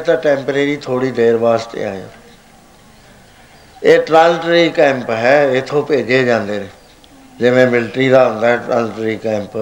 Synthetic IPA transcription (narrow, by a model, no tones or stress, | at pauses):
t̪ãːʈɛ̃ːmpɾeːɾiːt̪ʰoːɽiːd̪eːɾbaːst̪ḛːãːã̰ː | eːʈɾaːlʈɾiːkɛ̃ːmpɦɛːɪt̪ʰõːpeːd͡ʒeːd͡ʒãːnd̪eːnẽː | d͡ʒɪʋẽːmɪlʈɾiːd̪aːɦʊ̃nd̪aːɦɛːʈɾa̰ːlʈːɾiːkɛ̃ːmp